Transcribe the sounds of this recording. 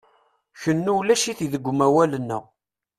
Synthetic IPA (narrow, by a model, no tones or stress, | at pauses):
çənːuwlæʃiθiðəɡʷːʊmæwælənːə̰ʁ